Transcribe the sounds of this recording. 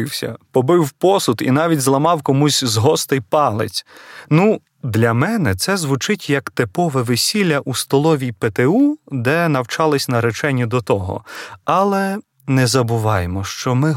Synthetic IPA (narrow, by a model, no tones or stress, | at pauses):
wsʲɐ̰pɔbɪwpɔsʊt̪ḭnɑʋʲitʲzlˠɐmɑwkɔmusʲzɦɔst̪ɪjpɑlˠɪ̰t͡sʲnu | d̪lʲɐmɛnɛt̪sɛzʋʊt͡ʃɪtʲjɐkt̪ɪpɔʋɛʋɪsʲilʲːɐʔust̪ɔlˠɔʋʲijpet̪eud̪ɛnɐwt͡ʃɑlˠɪsʲnɐɾet͡ʃɛnʲːɐd̪ɔt̪ɔɦɔ̰ɑlˠɛ | nɛzɐbʊʋɑjemɔʃt͡ʃɔmɪ